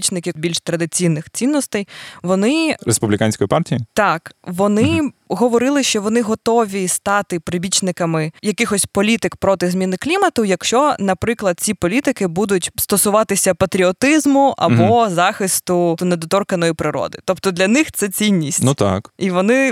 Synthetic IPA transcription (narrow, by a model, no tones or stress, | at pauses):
it͡ʃnɪkɪbʲilʲʃt̪ɾɐd̪ɪt͡sʲijnɪxt͡sʲinːɔst̪ɛjʋɔnɪɾespublʲɪkanʲsʲkɔjipɑrtʲijit̪ɑkʋɔnɪɦɔʋɔɾɪlˠɪʃt͡ʃɔʋɔnɪɦɔt̪ɔʋʲist̪ɑt̪ɪpɾɪbʲit͡ʃnɪkɐmɪjɐkɪxɔsʲpɔlʲit̪ɪkpɾɔt̪ɪzmʲinɪklʲimɐt̪ʊjɐkʃt͡ʃɔnɐpɾɪklˠɐd̪̚t͡sʲipɔlʲit̪ɪkɪbud̪ʊtʲst̪ɔsʊʋɑt̪ɪsʲɐpɐt̪ɾʲiɔt̪ɪzmʊʔɐ̰bɔzɑxɪst̪ʊned̪ɔt̪ɔrkɐnɔjipɾɪɾɔ̰d̪ɪ̰t̪ɔpt̪ɔd̪lʲɐnɪxt̪sɛt͡sʲinʲːisʲtnut̪ɑ̰kiʋɔnɪ